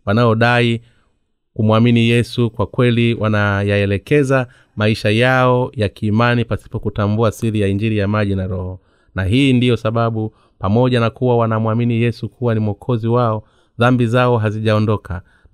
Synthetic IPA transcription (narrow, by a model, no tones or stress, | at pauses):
wanaɔɗai | kumwaminijɛsukwakwɛliwanajaɛlɛkɛza | maiʃajaɔjakiːmanipasi̥pɔkutambuasiɾijaind͡ʒiɾijamaʄinaɾɔhɔ | naɦiːndijɔsaɓaɓu | pamɔʄanakuwawanamuwaminijɛsukʰuwanimwɔkʰɔziwaɔ | ðambizaɔɦaziʄaɔndɔkʰa